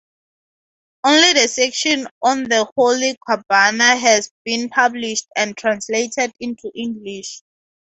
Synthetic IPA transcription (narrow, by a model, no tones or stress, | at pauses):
õnlidəsɛkʃɔ̃nɔ̃nðəholikʰwabanaɦɛzbĩnpʰabliʃtɛ̃ntʰɹãnsletʰɛdĩntʰuʔĩŋɡliʃ